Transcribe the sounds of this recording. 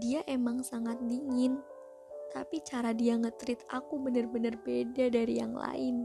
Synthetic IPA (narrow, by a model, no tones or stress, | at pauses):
diaʔemaŋsaŋat̪̚diŋɪn | t̪apit͡ʃaɾadiaŋət̪ɾɪt̪̚akubənərbənərbedadaɾija̰ŋla̰ɪn